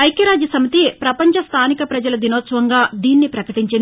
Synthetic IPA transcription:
ɐjkɐɾaːd͡ʒisɐmit̪ipɾɐpɐɲt͡ʃɐst̪ʰaːnikɐpɾɐd͡ʒɐlɐd̪inoːt̪sɐʋɐŋɡaːd̪iːnːipɾɐkɐʈiɲt͡ʃin

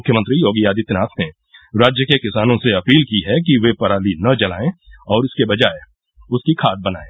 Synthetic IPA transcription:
ʊkʰːjəmə̃nt̪ɾijoːɡijaːd̪it̪ɪnaːt̪ʰne | ɾaːd͡ʒjəkekɪsaːnõseɐpiːlkiɦɛkiʋepɐɾaːlinɐd͡ʒɐla̰ːẽɔːɾɪskebɐd͡ʒaːe | ʊskikʰaːt̪̚bɐna̰ːẽː

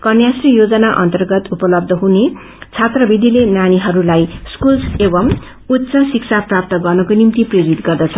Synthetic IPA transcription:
kʌnjasrijod͡zʌnaʔʌ̰nt̪ʌrɡʌt̪upʌlʌb̚d̪ʱʌɦune | t͡sʰat̪rʌbʱid̪ilenañiɦʌɾulajskulebʌm | ut̪ːsʌsiksʰap̚prap̚t̪ʌɡʌrnʌkonimt̪iprʌjoɾit̪ɡʌrd̪ʌt͡sʰʌ

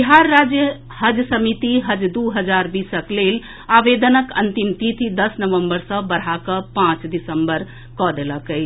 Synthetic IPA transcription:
biɦaɾːad͡ʒjə | həd͡ʒjsəmit̪iɦəd͡ʒd̪uɦəd͡ʒaɾbisəklel | aʋed̪ənəkə̰nt̪imt̪it̪ʰid̪əsnəʋəmbəɾsə̃bəɾ̤akəpãt͡ʃd̪isəmbəɾ | kɔd̪eləkəɪt͡ʃʰ

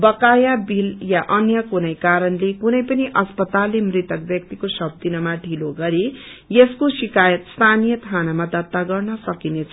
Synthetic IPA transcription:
bʌkajabiljaʔʌnjʌkunʌjkaɾʌnlekunʌjpʌniʔʌspʌt̪alːemrit̪ʌk̚bjʌk̚t̪ikosʌb̚d̪inʌmaɖʱiloɡʌɾijeskosikajʌt̪st̪ʰanijʌt̪ʰanamad̪ʌt̪ːaɡʌrnʌsʌkinet͡sʰ

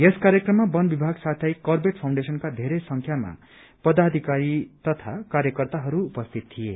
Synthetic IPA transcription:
jeskaɾjekrʌmːabʌnbibʱaɡsat̪ʰʌjkʌrbeʈ̚pʰaw̃ɳɖesʌnkad̪ʱeɾesʌŋkʰjama̰ | pʌd̪ad̪ʱikaɾit̪ʌt̪ʰa̰kaɾjʌkʌrt̪aɦʌɾuːpʌst̪ʰit̪t̪ʰːije

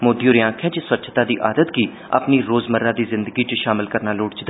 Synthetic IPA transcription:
moːd̪ijoːɾɪjãːkʰɛ̃ːt͡ʃɪswətːt͡ʃʰt̪aːd̪iːʔaːd̪ət̪ɡiː | a̰pniːɾoːzməɾːaːd̪iːzɪnd̪əɡiːt͡ʃʃaːmɪlkəɾnaːloːʈt͡ʃd̪

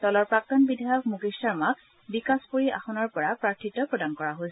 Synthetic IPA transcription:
tɔlɔɹpɹak̚tɔnbidʱajɔk̚muɡistaɹmak | bikaspoɹiʔaxɔnɔɹpɔɹapɹaɹtʰitːɔpɹɔdankɔɹaɦojsɛ

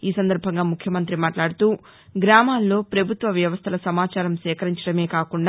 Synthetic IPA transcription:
iːsɐnd̪ɐɾbʱɐŋɡaːmukʰjɐmɐnt̪ɾimaːʈlaːɽut̪uː | ɡɾaːmaːlːo̞ːpɾɐbʱut̪ʋɐʋjɐʋɐst̪ʰɐlɐsɐmaːt͡ʃaːɾɐmsɛːkɐɾiɲt͡ʃɐɽɐme̞ːkaːkuɳɖaː

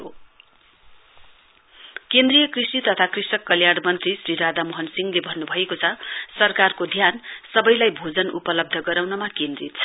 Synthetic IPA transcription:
o | kend̪rijʌkrisit̪ʌt̪ʰakrisʌkːʌljaɽmʌnt̪risriɾad̪amoɦʌnsiŋɡlebʱʌnːubʱʌjekot͡sʰʌsʌrkarkod̪ʱjansʌbʌjlajbʱod͡zʌnupʌlʌb̚d̪ʱʌɡʌɾawnʌmakend̪rit̪̚t͡sʰʌ̥

